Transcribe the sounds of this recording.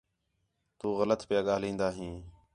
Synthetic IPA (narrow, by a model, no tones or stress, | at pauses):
t̪uːɣələt̪pɪjaːɠaːlĩːnd̪aːɦĩː